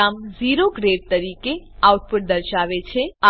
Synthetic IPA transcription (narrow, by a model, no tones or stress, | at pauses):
amziɾoɡɾeɖ̚t̪əɾikeauʈ̚puʈ̚d̪əɾʃaʋet͡ʃʰea